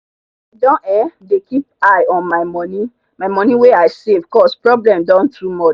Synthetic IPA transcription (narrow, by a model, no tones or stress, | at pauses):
dɔ̃ʔɛ̃dekip̚aɪɔ̃nmaɪmɔ̃nĩ | maɪmɔ̃nĩweaɪsevkɔspɹɔblɛ̃mdãntɹumɔ̃